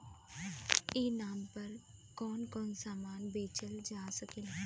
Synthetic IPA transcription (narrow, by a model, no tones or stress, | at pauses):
eːnaːmpɐɾkɔːnkɔːnsaːmaːnbeːt͡ʃəld͡ʒaːsəkel